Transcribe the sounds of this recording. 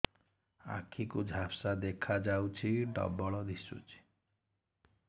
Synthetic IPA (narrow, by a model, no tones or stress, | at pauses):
a̰kʰikud͡ʒʱapsad̪ekʰad͡ʒawt͡ʃʰiɖɔ̰bɔɭɔd̪isṵt͡ʃʰi̥